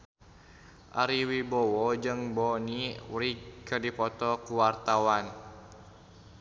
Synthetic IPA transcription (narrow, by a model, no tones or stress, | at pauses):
ʔa̰ɾiwibɔwɔd͡ʒɨŋbɔniwɾikərdipɔt̪ɔkuwart̪awan